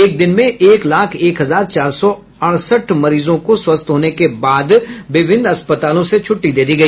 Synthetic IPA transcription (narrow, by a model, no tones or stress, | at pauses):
eːk̚d̪ɪnmẽʔeːklaːkʰeːkɦɐzaːɾt͡ʃaːɾsɔ | ɐɽ̃səʈʰmɐɾiːzõkoswɐst̪ɦoːnekebaːd̪ʋɪbʱɪ̃nɐspət̪aːlõset͡ʃʰʊʈːid̪eːd̪iɡɐiː